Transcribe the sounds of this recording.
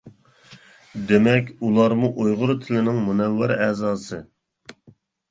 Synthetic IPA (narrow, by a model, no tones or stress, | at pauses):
d̪emɛkʲulˠɑɾmuʔojʁʊɾt̪ʰɪlɪnɪŋmunɛwːæɾɛzɑːsɨ